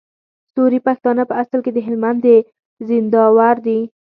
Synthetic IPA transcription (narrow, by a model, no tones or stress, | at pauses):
st̪oɾipaxt̪ɑnəpəasəlked̪əɦɪlmand̪ə | zɪnd̪ɑwaɾd̪i